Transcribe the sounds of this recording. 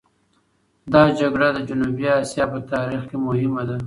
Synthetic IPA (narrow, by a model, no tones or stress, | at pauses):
d̪ɑd͡ʒaɡɽad̪əd͡ʒʊnubiɑsjɑpət̪ɑɾixkemʊhɪmad̪a